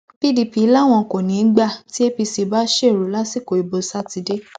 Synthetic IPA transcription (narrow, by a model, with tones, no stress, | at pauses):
pi˦˨di˨˧pi˨˦la˦˨w̃ɔ̃˧˨ko˨nĩ˨˦n̩˦ɡ͡ba˦˨ti˦e˦pi˧si˧ba˦ʃe˦˨ɾu˨˦la˦si˦˨ko˨i˨bo˧sa˦ti˨˧de˦